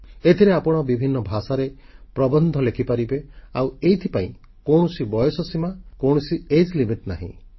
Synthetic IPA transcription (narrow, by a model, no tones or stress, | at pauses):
et̪ʰiɾeapɔɽ̃ɔbibʱinːɔbʱasaɾe | pɾɔbɔnd̪ʱɔlekʰipaɾibeaweɦit̪ʰipaĩ | koɽ̃ɔsibɔjɔsɔsimakowɽɔsied͡ʒlimiʈna̰ɦḭ̃